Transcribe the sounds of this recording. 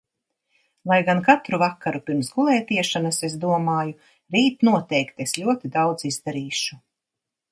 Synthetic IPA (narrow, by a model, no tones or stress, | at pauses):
lˠajɡankat̪ɾuvakːaɾupiɾmsɡulˠɛːt̪iɛʃanasezd̪uɔmaːju | ɾiːt̪nuɔt̪ɛjkt̪eslʲuɔt̪id̪awd̪zizd̪aɾiːʃu